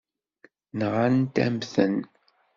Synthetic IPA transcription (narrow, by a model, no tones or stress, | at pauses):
nʁant̪æ̰mθən